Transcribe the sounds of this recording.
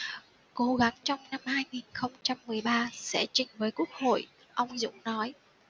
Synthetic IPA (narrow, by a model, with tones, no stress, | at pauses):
ko˨˦ɣa˨˦ŋt͡ɕɔ˧wŋ͡mna˧mhaː˧jŋi˨˩nxə˧wŋ͡mt͡ɕa˧mːɨ˨˩əjɓaː˧sɛ̰˧˥t͡ɕï˨˩ŋ̟vəː˨˦jku˦˥ək̚ho̰˧˨j | ʔə˧wŋ͡mzʊ̰˧˥ŋ͡mnɔ˨˦j